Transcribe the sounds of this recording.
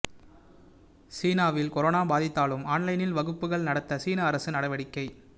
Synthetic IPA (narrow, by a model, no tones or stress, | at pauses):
siːnaːʋɪlkɔɾoːnaːbaːðɪt̪ːaːlɯmaːnlɐɪnɪlʋɐɣɯpːɯɣɐɭnɐɽɐt̪ːɐsiːnaːɐɾɐsɯnɐɽɐʋɐɽɪkːɐɪ